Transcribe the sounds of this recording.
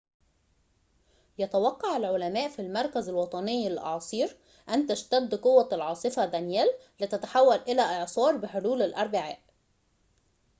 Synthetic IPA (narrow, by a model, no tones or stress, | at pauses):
jɑt̪æwɑqːɑʕalʕolæmæːʔfilmɑɾˤkæzælwɑt̪ˤɑnejːɪlʔɑ̰ʕsˤiːɾ | ʔænt̪æʃt̪æd̪ːqowːælʕɑːsˤɨfæd̪ænjæːlː | ɪt̪æt̪aħawːælʔɪlæːʔeʕsˤɑːɾˤbɪħoluːlɪlʔɑɾˤbɪʕaːʔ